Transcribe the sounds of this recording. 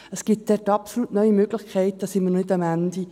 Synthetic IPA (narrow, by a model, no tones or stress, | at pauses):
əsɡ̥ip̚d̪̥ɛːtɑpsolutnœʏimøːɡlɪχkʰɛɪt̚d̥̪ɑːsɪmənonɪdɑmænd̥̪i